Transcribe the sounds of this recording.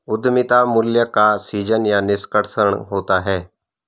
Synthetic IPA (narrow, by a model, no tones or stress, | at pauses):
ʊd̪mɪt̪amʊljəkasiːd͡ʒənjanɪskəʈsəɾəɳ̃ɦoːt̪aɦɛː